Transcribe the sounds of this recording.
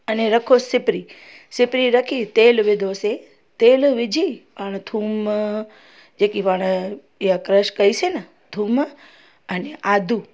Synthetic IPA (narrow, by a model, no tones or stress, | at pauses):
əneɾəkʰosɪpɾi | sɪpɾiɾəkʰit̪elʋɪd̪ʱose | t̪elʋɪd͡ʒʱiʋaɽ̃t̪ʰum | d͡ʒekiʋaɽ̃ | eakɾəʃkəisena | t̪ʰum | əneʔad̪ʱu